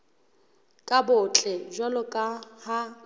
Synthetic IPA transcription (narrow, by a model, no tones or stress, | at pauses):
kʼabʊt͡ɬʼɛʒwalʊkʼaha